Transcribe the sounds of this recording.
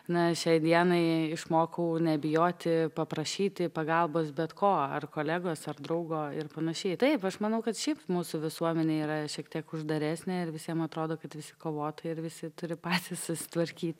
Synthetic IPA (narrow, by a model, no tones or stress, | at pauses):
nɐʃʲɛɪd̪ʲiɛnɐɪɪʃmoːkɐʊnʲɛbʲɪjoːt̪ʲɪpɐpɾɐʃʲiːt̪ʲɪpɐɡɐlˠboːsbʲɛt̪koːɐ̰rkoːlʲæːɡoːsɐrd̪ɾɐʊɡoːɪrpɐnɐʃʲɛɪt̪ɐɪpɐʃmɐnɐʊkɐt̪ʃʲɛɪpmuːsʊʋʲɪsuɔmʲɛnʲeːiːɾɐʃʲiɛkt̪ʲiɛkʊʒd̪ɐɾʲæsʲnʲeɪɾʋʲɪsʲiɛmɐt̪ɾoːd̪oːkɐt̪ʋʲɪsʲɪ̥koːʋoːt̪oɪɾʋʲɪsʲɪt̪ʊɾʲɪpɑːt̪ʲissʊsʲɪ̥t̪ʋɐɾʲkʲiːt̪ʲ